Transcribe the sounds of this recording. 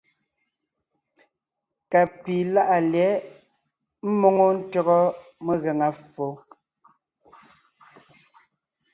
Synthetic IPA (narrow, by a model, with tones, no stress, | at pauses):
ka˨pi˨la˦ʔa˨ljɛ˨˦ | m̩˦mo˨ŋo˦n̩˦tɔ˦ɣɔ˦me˦ɣe˨ŋa˦fo˨˦